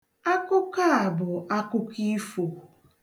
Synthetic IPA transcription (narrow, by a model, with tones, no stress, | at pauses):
a˦kʊ˦ka˦a˨bʊ˨a˦kʊ˦ki˦fo˨